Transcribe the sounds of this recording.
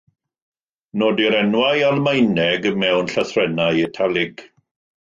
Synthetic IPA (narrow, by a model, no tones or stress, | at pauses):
noːdiɾɛnwajalˠmajnɛɡəmɛwnɬaθrɛnajɛtʰalˠɪɡ̥